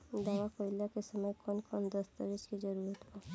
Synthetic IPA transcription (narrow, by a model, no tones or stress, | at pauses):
d̪aːwakoɪljakesəməjkɔnkɔnd̪əst̪ə̰ɾɪd͡ʒkid͡ʒəɾuɾət̪ba